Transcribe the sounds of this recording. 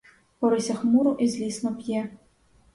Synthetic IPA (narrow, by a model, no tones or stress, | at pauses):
pɔɾɨsʲɐxmuɾʊʔizʲlʲisnɔpʲjɛ